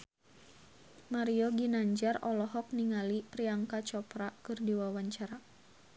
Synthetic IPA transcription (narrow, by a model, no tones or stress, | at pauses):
maɾiɔɡinaɲd͡ʒarɔlɔɦɔk̚niŋalipɾiaŋkat͡ʃɔpɾakɨrdiwawaɲt͡ʃaɾa